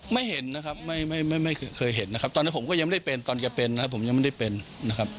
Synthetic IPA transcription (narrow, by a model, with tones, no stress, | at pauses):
ma˥˩jhe˨˩˦nːa˦˥kʰa˦˥p̚ma˥˩jma˥˩jma˥˩jma˥˩jkʰɤː˧jɦe˨˩˦nːa˦kʰa˦˥p̚t̪ɔː˧nːi˦˥po˩˦mkɔː˥˩ja˧ma˥˩da˥˩jpe˧nt̪ɔː˧nkɛ˧pe˧nːa˦˥a˦˥pʰːo˩˦mja˧ŋma˥˩da˥˩pe˧nːa˦˥kʰa˦˥p̚